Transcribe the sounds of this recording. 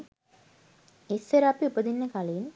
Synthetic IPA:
esːeɾapiupəd̪inːəkaleːn

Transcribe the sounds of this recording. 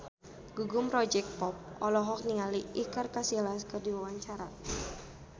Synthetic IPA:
ɡ̥uɡumrɔd͡ʒɛk̚pɔp̚ɔlɔɦɔk̚niŋaliʔikarkasilaskərdiwawaɲt͡ʃaɾa

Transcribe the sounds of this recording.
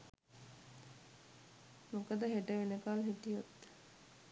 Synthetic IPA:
mokəd̪əɦeʈəʋenəkalɦiʈijot̪

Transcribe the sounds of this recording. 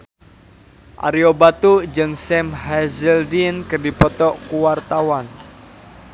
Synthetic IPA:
ʔa̰ɾiobat̪ud͡ʒɨŋsɛmhɛzɛldinkərdipɔt̪ɔkuwart̪awan

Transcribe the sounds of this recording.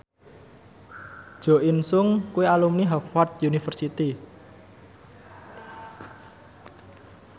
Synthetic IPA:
d̥ʒ̥ɔ̤ʔinsʊŋkuialumniɦafwat̪̚junifərsit̪i

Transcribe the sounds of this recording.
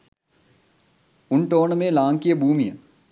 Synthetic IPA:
ʊɳʈoːnəmẽːlaːŋkijəbʱuːmijə̰

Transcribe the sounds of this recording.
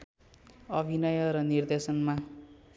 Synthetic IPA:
ʌbʱinʌjʌɾʌnird̪esʌnma

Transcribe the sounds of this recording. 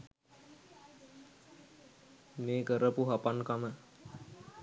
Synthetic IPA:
meːkəɾəpuɦapaŋkamə

